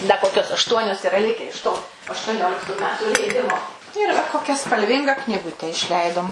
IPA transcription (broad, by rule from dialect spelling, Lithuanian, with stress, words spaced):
dɐ ˈkoːkʲoːs ɐʃˈtuɔnʲoːs ɪˈrɐ ˈlʲɪkʲɛ ɪʃ toː ɐʃtuɔˈnʲoːlʲɪktuː ˈmʲæːtuː lʲɛɪˈdʲɪmoː ɪr ʋɐ ˈkoːkʲɛ spɐlʲˈʋʲɪŋɡɐ knʲiːˈɡʊtʲɛ ɪʃʲˈlʲɛɪdoːm